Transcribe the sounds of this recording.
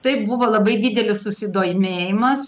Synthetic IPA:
t̪ɐɪpbʊʋoːlˠɐbɐɪd̪ʲiːd̪ʲɛlʲɪssʊsʲɪd̪oːjɪmʲeːjɪmɐs

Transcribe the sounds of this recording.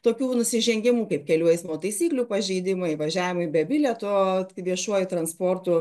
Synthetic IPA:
t̪oːkʲuːnʊsʲɪʒʲɛŋʲɡʲɪmuːkɐɪp̚kʲɛlʲuɔjɪsmɐoːt̪ɐɪsʲiːklʲuːpɐʒʲɛɪd̪ʲɪmɐɪʋɐʒʲæːʋʲɪmɐɪbʲɛbʲɪlʲɛt̪oʋʲiɛʃuɔjʊt̪ɾɐnspoːrt̪ʊ

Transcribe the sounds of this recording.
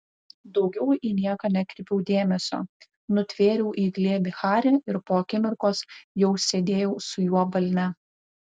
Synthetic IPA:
d̪ɒʊɡʲɛʊiːnʲiɛkɐnʲɛkʲɾʲɪpʲɛʊd̪ʲeːmʲɛsʲo̰ː | nʊt̪ʲʋʲeːɾʲuːʔiːɡlʲeːbʲɪxɑːɾʲɪɪɾpoːkʲɪmʲʊɾkoːsjɛʊsʲeːd̪ʲeːjɛʊsʊjuɔbɐlʲnʲɛ

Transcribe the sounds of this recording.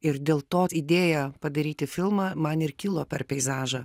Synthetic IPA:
ɪɾd̪ʲeːlˠt̪oːid̪ʲeːjɛpɐd̪ɐɾʲiːt̪ʲɪfʲɪlˠmɑːmɐnɪrkʲɪlˠoːpʲɛɾpʲɛɪzɑːʒɐ

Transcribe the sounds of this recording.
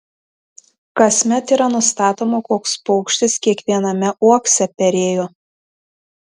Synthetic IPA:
kɐsʲmʲɛt̪iːɾɐnʊst̪ɑːt̪oːmokoːkspɔʊkʃʲt̪ʲɪskʲiɛkʋʲiɛnɐmʲɛʔuɔksʲɛpʲɛɾʲeːjoː

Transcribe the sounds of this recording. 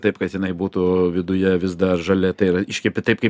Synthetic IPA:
t̪ɐɪpkɐt̪jɪnɐɪbuːt̪uːʋʲɪd̪ʊjɛʋʲɪzd̪ɐrʒɐlʲɛt̪ɐɪɪɾɐɪʃʲkʲɛpʲɪt̪ɐɪpkɐɪ

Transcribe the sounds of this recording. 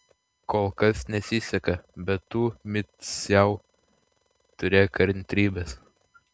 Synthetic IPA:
koːlˠkɐsnʲɛsʲɪsʲɛkɐbʲɛt̪ːuːmʲɪt̪sjɛʊ | t̪ʊɾʲeːkɐɾʲnʲt̪ʲɾʲiːbʲɛs

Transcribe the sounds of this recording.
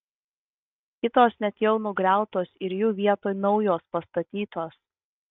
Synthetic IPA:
kʲɪt̪oːsnʲɛt̪ʲjɛʊnʊɡɾʲæˑʊt̪oːsɪɾjuːʋʲiɛt̪oːjnɒʊjoːspɐst̪ɐt̪ʲiːt̪oːs

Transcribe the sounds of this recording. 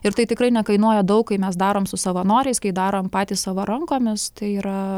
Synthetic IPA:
ɪɾt̪ɐɪt̪ʲɪkɾɐɪnʲɛkɐɪnuɔjɛd̪ɐʊk̚kːɐɪmʲɛsd̪ɑːɾoːmsʊsɐʋɐnoːɾʲɛɪskɐɪd̪ɑːɾoːmpɑːt̪ʲiːssɑʋoːɾɐŋkoːmʲɪst̪ɐɪiːɾɐ

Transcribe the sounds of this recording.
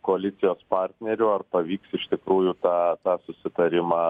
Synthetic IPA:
koːɐlʲɪt̪sʲɪjoːspɑːrʲt̪ʲnʲɛɾʲʊɐrpɐʋʲiːksɪʃt̪ʲɪkɾuːjʊt̪ɑːt̪ɑːsʊsʲɪt̪ɐɾʲɪmɑː

